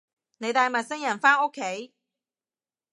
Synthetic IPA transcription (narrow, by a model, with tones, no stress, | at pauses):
ne˨˧jt̪aː˨˧jmɐ˨˩t̚sɪ˥ŋjɐ˨˩nfaː˥ŋo˥kʰːe˨˥j